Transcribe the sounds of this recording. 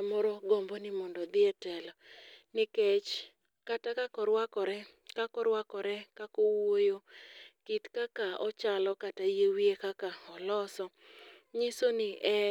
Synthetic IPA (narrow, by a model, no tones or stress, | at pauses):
mɔɾɔɡɔmbɔnɪmɔndɔd̪ɪɛtɛlɔnɪket͡ʃ | katakakɔɾwakɔɾɛ | kakɔɾwakɔɾɛkakowojokitkakaɔ̰t͡ʃalɔkatajewiekakaɔlɔsɔ | ɲɪsonɪʔɛ